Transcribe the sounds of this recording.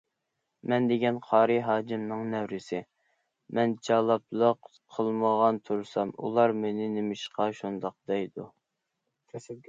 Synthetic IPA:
mɛnd̪eɡʲɛnqʰɑːɾɨɦɑːd͡ʒimnɨŋnɛwɾɪsɪ | mɛnd͡ʒɑlˠɑplˠəq | qʰəlˠməʁɑnt̪ʰuɾsɑmṵlˠɑɾmenɪnɪmɪʃqɑʃund̪ɑq̚d̪ɛjd̪u

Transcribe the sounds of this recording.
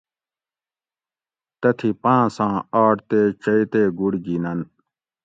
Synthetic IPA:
t̪ɐt̪ʰipãːsãːaːʈt̪eːt͡ɕɐit̪eːɡuɽɡinɐn

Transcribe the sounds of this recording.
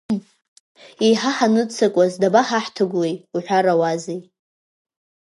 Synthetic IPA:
ejħaħanɨt͡sʰakʷʼazdabaħaħtʰɨɡʷlejuħʷᶣaɾawazej

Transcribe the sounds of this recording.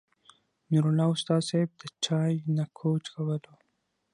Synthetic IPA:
nuɾulɑʊst̪ɑseb̚d̪ət͡ʃɑjnakʰot͡ʃkawəlo

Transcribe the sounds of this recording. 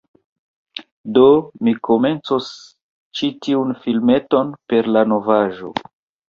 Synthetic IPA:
do̞mikʰome̞nt͡sos | t͡ʃitiunfilme̞to̞npe̞ɾlano̞vaʒo̞̰

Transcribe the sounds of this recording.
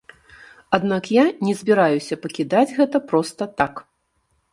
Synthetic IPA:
ad̪nakjanʲɛzʲbʲiɾajusʲɐpɐkʲid̪ad͡zʲɣɛt̪ɐpɾɔst̪ɐt̪ak

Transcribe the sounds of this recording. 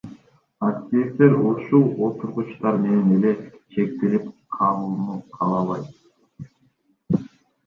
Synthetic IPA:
ɑkt̪ʲiift̪e̞ɾuʃulˠo̞t̪uɾʁut͡ʃt̪ɑɾme̞nene̞le̞ʃʰe̞k̚t̪ilip̚qʰɑlˠuunuqʰɑlˠɑlˠɑjt̪

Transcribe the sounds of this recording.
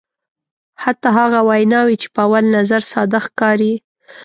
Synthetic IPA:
hat̪ɑɦaɣawajnɑwit͡ʃe̥pəawalnazaɾsɑd̪axkɑɾi

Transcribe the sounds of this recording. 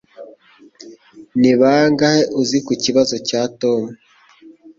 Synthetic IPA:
niβaːŋɡaheʔuzikuciβazo̞caːto̞mu

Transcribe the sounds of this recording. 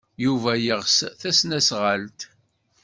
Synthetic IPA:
juvæjəʁsθæsnæsʁəlt̪

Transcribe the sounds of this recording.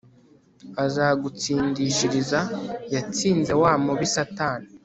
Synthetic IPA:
azaːɡut͡siːndiʃiɾizajat͡siːnze̞waːmuβisataːni

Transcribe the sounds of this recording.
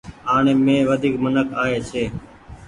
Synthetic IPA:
ɦaːɳẽːmẽːʋəd̪ʱiːkmənəkaːɦeːt͡ʃʰeː

